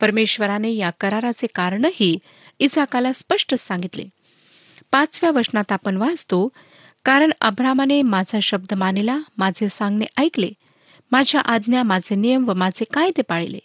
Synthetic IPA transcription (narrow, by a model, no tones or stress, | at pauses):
pəɾmeɕʋəɾanejakəɾaɾat͡sekaɾɳəhiː | isakalaspəʂʈəssãŋɡit̪lḛ | pat͡sʋjaʋəɾʂnat̪apəɳʋad͡zt̪o | kaɾəɳə̰bɾamanemad͡zʱaɕəb̚d̪əmanilamad͡zʱesãŋɡneʔajklḛ | mad͡ʑʱjaʔad̪njamad͡zʱenijəmʋəmad͡zʱekajt̪epaɭilḛ